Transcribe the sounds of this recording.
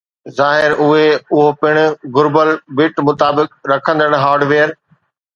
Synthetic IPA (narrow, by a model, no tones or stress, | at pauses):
zaːɦɪɾʊɦeʊɦopɪɽ̃̆ɡʊɾbəlbɪʈmʊt̪aːbɪkɾɐkʰə̃nd̪əɽ̃̆ɦaːɾɖʋeːəɾ